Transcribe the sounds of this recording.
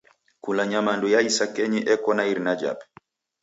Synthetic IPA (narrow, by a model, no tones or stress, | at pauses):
kulaɲamandujaisakɛɲiʔɛkɔnaiɾnad͡ʒa̰b